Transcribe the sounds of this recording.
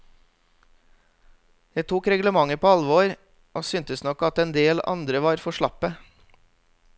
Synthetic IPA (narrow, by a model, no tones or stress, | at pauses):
jæɪt̪ʰuːkɾɛɡləmɑŋəpʰoːɑlʋoːɾ | ʔoːsʏːnt̪əsnɔkɑt̪ɛnd̪eːlɑ̰nd̪ɾəʋɑːɾfɔʃɭɑpə